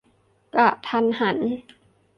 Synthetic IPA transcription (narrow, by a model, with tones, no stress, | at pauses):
ka˨˩ʔt̪ʰa˧nha˩˦n